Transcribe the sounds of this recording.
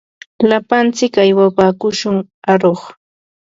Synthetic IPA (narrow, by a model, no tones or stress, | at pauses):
lapant͡sɪkajwapaːkʊʃʊŋ | aɾoχ